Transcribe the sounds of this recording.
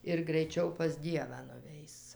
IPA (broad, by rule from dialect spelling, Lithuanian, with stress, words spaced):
ɪr ɡrɐɪˈt͡ʃʲɛʊ pɐs ˈdʲiɛʋɑː nʊˈʋʲɛɪs